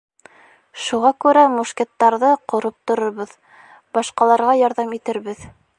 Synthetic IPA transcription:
ʃuʁɑkʉɾæmuʃket̪ːɑɾðɤqŏɾɤp̚t̪ŏɾŏɾβɤð | bɑʃqɑlˠɑɾʁɑjɑɾðɑmit̪ɘ̆ɾβɘð

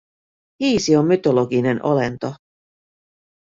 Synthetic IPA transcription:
hiːsiomːyt̪oloɡinenʔolent̪o

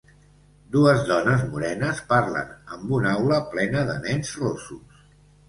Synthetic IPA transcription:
d̪uəzðɔnəzmuɾɛnəspaɾlə̰nəmbunawləplɛnəðə̰nɛnzrosus

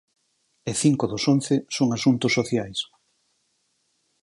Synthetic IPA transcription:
eθiŋkoðʊsonθɪsoŋasunt̪ʊsːoθjajs

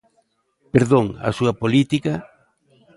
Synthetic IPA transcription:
peɾðoŋa̰suɐpolit̪ikɐ

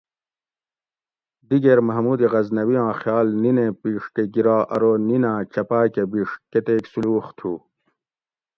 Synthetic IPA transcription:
d̪iɡeɾmɐɦmuːd̪iɣɐznɐwijãːxjaːlninepiːʂʈeɡiɾaːʔɐɾoninaːt͡ɕɐpaːkebiʂ̚ket̪eːksuluːxt̪ʰu

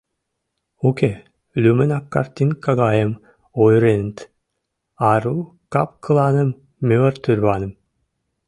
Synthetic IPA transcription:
uke | lymɯnakːa̰ɾt̪ʲinkaɡaːjɯm | ɔjɾent̪ | aɾu | ka̰pkʰɯlˠaːnɯmː | yœɾt̪yɾβaːnɯm

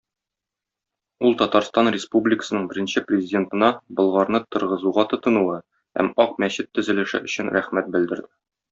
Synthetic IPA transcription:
ulˠt̪ɒt̪ɑɾst̪ɑnrʲɪspublʲɪkə̥sɤ̆nɤɴbɘ̆ɾɘ̆nɕɘprʲɪzʲɪdʲe̞nt̪ɤ̆nɑbɤ̆lˠʁɑɾnɤt̪ɤ̆ɾʁɤ̆zuʁɑt̪ɤ̆t̪ɤ̆nuwɤ | hæ̰mɒq̚mæɕɘt̪ːɵ̆zɘ̆lɘ̆ʃɘ̰ʔɵ̆ɕɘnɾæχmæt̪̚bɘ̆ld̪ɘ̆ɾd̪ɘ

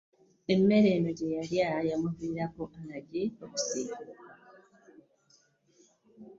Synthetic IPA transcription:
emːe̞ɾenoɟejaɾjajamuviɾakoʔanaɟeoβusiː

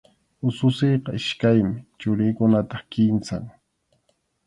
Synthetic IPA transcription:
ʊsʊsejqɑɪʃkajmɪt͡ʃʊɾɪjkʊnat̪ɑχkɪnsa̰ŋ

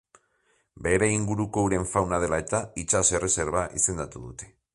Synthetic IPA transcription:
be̞ɾe̞iŋɡuɾuko̞uɾe̞ɱfawnað̞e̞lae̞t̪ait͡ʃasere̞se̞ɾβaʔḭse̞nd̪at̪uðut̪e̞̥

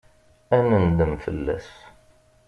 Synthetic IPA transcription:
ænənd̪əmfə̰lːæ̰s

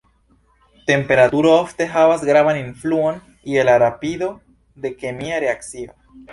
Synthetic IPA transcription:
t̪empeɾat̪uɾooft̪eɦaβazɡɾaβanĩɱfluon | ielaɾapiðo | d̪e̞kemiaɾeaksia

